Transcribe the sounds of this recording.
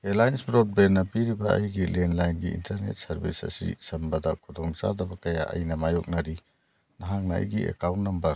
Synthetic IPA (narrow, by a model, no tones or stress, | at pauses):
elajnsbɾɔd̚benːɐpiɾibɐɐjɡilenlajnɡiḭntɐɾnḛt̚sɐɾbisɐ̰sḭsɐmbɐdɐkʰud̪ɔŋza̰dɐbɐkɐjaʔɐ̰jnɐmajɔk̚nɐɾi | naɦaŋnaɐ̰jɡiḛkawntːɐmbɐ